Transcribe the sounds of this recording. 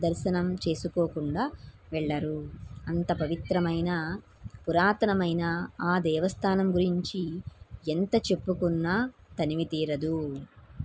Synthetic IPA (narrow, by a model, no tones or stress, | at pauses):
d̪ɐɾʃɐnɐmt͡ʃe̞ːsukoːkuɳɖaːʋɛɭːɐɾuɐnt̪ɐpɐʋit̪ɾɐmɐjnɐ | puɾaːt̪ɐnɐmɐjnɐaːd̪ɛːʋɐst̪ʰaːnɐmɡuɾiɲt͡ʃient̪ɐt͡ʃe̞pːukunːaːt̪ɐniʋit̪iːɾɐd̪u